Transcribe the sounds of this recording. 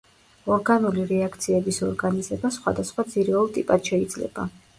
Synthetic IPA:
ɔɾɡanuliɾɛakʰt̪sʰiɛbisɔɾɡanizɛbasχwa̰d̪asχwad̪zʰiɾɔlˠt̪ʼḭpʼad̪ʃɛid̪zlɛ̰b̥a̰

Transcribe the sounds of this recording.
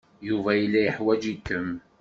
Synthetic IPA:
juvæjəlːæjəħwæd͡ʒikːəm

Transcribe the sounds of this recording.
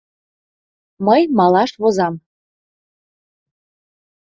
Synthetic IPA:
məjmɑlɑʃβozɑm

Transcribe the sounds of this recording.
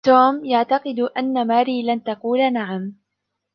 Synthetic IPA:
t̪oːmjaʕt̪ɑqɨd̪ʔanːamaːɾiːlant̪ɑquːlanaʕam

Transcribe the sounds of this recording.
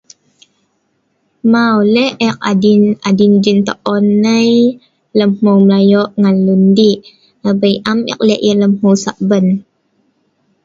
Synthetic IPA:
mawlɛʔɛk̚adinadind͡ʒint̪ə̰ʔonːəj | ləmhuwmlajɔʔŋanlundiʔ | əbəjʔamɛ̰k̚lɛʔjələmhuwsaʔbən

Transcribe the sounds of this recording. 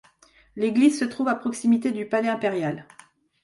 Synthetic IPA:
leɡlizsət̪χuvapχɔksimit̪ed̪ypalɛɛ̃peʁjal

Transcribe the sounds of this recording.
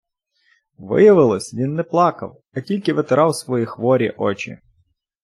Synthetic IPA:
ʋɪ̰jɐʋɪlˠɔsʲʋʲinːɛplˠɑkɐ̰w | ɐtʲilʲkɪʋet̪eɾɑwsʋɔjixʋɔɾʲḭʔɔt͡ʃḭ

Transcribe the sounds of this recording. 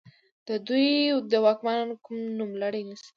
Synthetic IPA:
d̪̥əd̪ujd̪əwɑkmankumnumlaɽajnas

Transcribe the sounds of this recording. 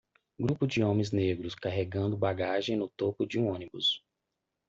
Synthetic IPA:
ɡɾupʊd͡ʒɪõmẽj̃zneɡɾʊskaɦeɡɐ̃nd̪ʊbaɡaʒẽj̃nʊt̪opʊd͡ʒɪũõnibʊs

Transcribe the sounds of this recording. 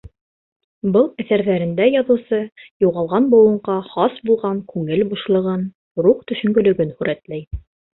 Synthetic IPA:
bɤlˠæθæɾðæɾɘ̆nd̪æjɑðŭwsɤjuʁɑlˠʁɑnbŏwɤ̆ɴqɑχɑsbulˠʁɑŋkʉŋɘlbuʃlˠɤ̆ʁɤn | ɾuqt̪ɵ̆ʃɵ̆ŋɡɵ̆lɵ̆ɡɘnhʉɾæt̪læj

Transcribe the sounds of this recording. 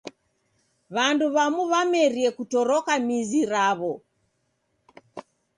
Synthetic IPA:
βanduβamuβamɛɾiɛkutɔɾɔkamiziɾaβɔ

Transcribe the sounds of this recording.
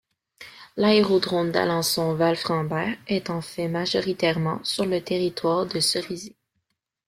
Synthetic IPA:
laeʁod̪ʁɔ̃nd̪a̰lɑ̃sɔ̃valfχɑ̃bɛːʁɛt̪ɑ̃fɛmaʒɔʁit̪ɛʁmɑ̃syʁlət̪eʁit̪waːʁd̪əsəʁizi

